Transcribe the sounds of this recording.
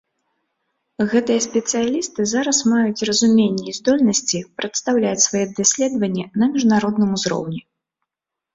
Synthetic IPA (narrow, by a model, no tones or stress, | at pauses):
ɣɛt̪ɨjɐsʲpʲɛt̪sɨjalʲist̪ɨzaɾɐsmajut͡sʲrɐzumʲenʲːɛizd̪ɔlʲnɐsʲt͡sʲipɾɐt̪st̪awlʲajut͡sʲsvajɛd̪asʲlʲɛd̪vɐnʲːɛnɐmʲiʐnaɾɔd̪nɨmuzɾɔ̰wnʲɛ